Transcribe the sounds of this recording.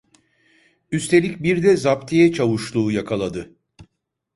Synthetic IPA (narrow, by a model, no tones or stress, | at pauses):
yst̪ʰe̞lʲicbiɾd̪ɛzapt̪ʰijɛt͡ʃʰavuʃlˠuːjakʰalˠad̪ɯ